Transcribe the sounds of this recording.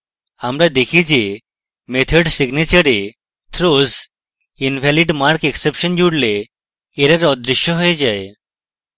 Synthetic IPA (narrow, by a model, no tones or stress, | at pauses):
amlad̪ekʰid͡ʑe | met̪ʰəɖsiɡnit͡ɕəɾe | t̪ʰɾoz | inʋʱæliɖmaɾkeksepɕənd͡ʑuɽleː | ɾaɾɔd̪ɾiɕjəɦojed͡ʑae